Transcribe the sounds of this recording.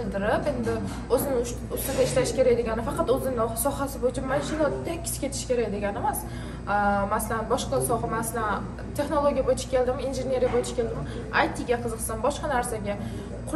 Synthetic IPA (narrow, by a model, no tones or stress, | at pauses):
ɪld̪ɪɾɪpe̞nd̪ɪ | ɵzɪnɪ | ʊst̪ad̪aɪʃlaʃɪ̥kʲʰe̞ɾak̚ʲd̪eɡʲanɪfɑqʰɑt̪ɵzɪnɪsɒhasɪbojɪt͡ʃʰɪnmazʊlˠɒt̪ʰd̪akʲʰːɪ̥sɪ̥kʲʰe̞t̪ʰɪ̥ʃkʲʰe̞ɾakʲd̪e̞ɡʲanemas | masalanbɒʃqɑsɒmasalan | t̪ʰe̞χno̞lˠoɡʲijabojɪt͡ʃʰḁkʲe̞ld̪ɪminʒɪne̞ɾijabojɪt͡ʃʰḁkʲʰe̞ld̪ɪm | ajt̪ʰɪɡʲaqʰɨzɨqsanbɒʃqɑnaɾsaɡʲa | qʰʊ